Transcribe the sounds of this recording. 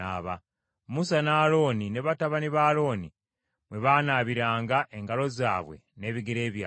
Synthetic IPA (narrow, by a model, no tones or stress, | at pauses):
aːβa | musanaːlo̞ːnine̞βataβaniβaːlo̞ːni | βwe̞βaːnaːβiɾaːŋɡaʔe̞ŋɡalo̞za̰ːβwe̞̰ne̞ːβiɡeɾe̞ːβja